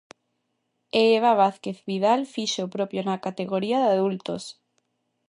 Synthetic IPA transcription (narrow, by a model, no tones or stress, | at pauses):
eeβaβ̞aθkeθβiðalfiʃopɾopjonakat̪eɣoɾiaðaðult̪os